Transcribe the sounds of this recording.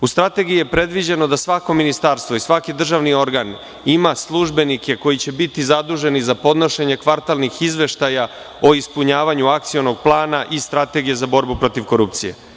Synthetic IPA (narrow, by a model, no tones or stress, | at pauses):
ust̪ɾat̪e̞ɡijijepɾe̞d̪ʋid͡ʑe̞no̞d̪asʋako̞minist̪aɾst̪ʋo̞isʋakid̪r̩ʒaʋnio̞ɾɡan | imaslˠuʒbe̞nikʰe̞ko̞jit͡ɕe̞bit̪izad̪uʒe̞nizapo̞d̪no̞ʃe̞ɲe̞kʋaɾt̪alnixizʋe̞ʃt̪aja | o̞ispuɲaːʋaɲuakt̪sio̞no̞ɡ̚plˠaːnaʔist̪ɾat̪e̞ɡije̞zabo̞ɾbupɾo̞t̪iʋko̞ɾupt̪sije̞̰